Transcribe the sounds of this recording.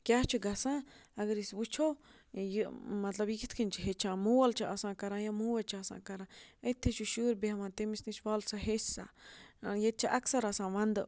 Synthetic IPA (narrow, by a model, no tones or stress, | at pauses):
kjaht͡ʃəɡasãaɡɾisbut͡ʃo | jəmãt͡ɬabikit̪kʰint͡ʃiɦet͡ʃamuwalt͡ʃaʔasãkaɾãjamuwet͡ʃasã̰kaɾãet̪ʰeʃuʃuɾbahamãt̪emisniʃbalsaɦesa̰ajet͡ʃaʔaksaɾasãmand̪ə